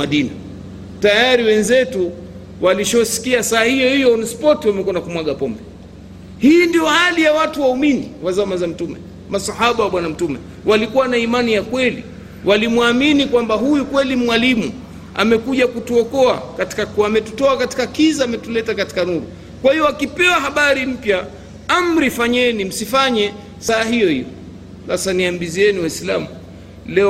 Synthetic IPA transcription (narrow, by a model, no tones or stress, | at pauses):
maɗina | tajaɾiwɛnzɛtu | waliʃɔsi̥kiasaːhijɔhijɔnspɔtiwamɛkuanakumwaɠapɔmbɛ | hiːndijɔhalijawatuwauminḭwazamazam̩tumɛ̰ | masahaɓawaɓwanam̩tumɛ | wʔalikuwanaimanijakwɛlḭ | wʔalimwaminikwambaɦujukwɛlimwalimṵ | a̰mɛkuʄakutuɔkɔa̰kati̥kakuamɛtutɔakati̥kakizaamɛtulɛtakati̥kanuɾṵ | kwahiɔakipɛwaɦaɓaɾim̩pja | amɾifaɲɛnim̩sifaɲɛ | saːɦijɔhḭjɔ̰ | lasaniambiziɛniwaislamu | lɛ